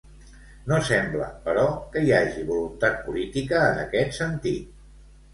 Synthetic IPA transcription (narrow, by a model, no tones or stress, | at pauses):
nosɛmblə̰pəɾɔkəiaʒiβulunt̪at̪̚pulit̪ikəːnə̰kɛt̪sənt̪it̪̚